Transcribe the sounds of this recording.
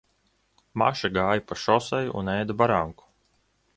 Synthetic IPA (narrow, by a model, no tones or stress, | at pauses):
ma̰ʃaɡaːjapaʃɔsajṵnɛːd̪abaɾaŋku̥